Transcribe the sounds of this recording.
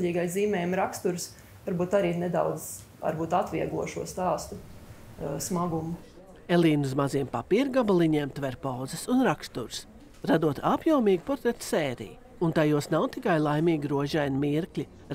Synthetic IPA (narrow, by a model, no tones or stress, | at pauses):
ʎʲiːɡajziːmɛːjmɾakst̪uɾs | vaɾbuːt̪aɾiːned̪a̰wd̪z | a̰ɾbuːt̪at̪ʋiɛɡˠuɔʃuɔst̪aːst̪u | smaɡumu | elˠiːnuzmaziɛmpapiːɾɡabalˠiɲiɛmt̪vɛɾpawd̪zɛsunɾakst̪uɾs | ɾad̪uɔt̪ʰapjawmiːɡ̚pɔɾt̪ɾɛɾt̪sɛːɾḭj | unt̪ajuɔsnawt̪ikajlˠajmʲiːɡʲiɾuɔʒɛjnmiɾklʲi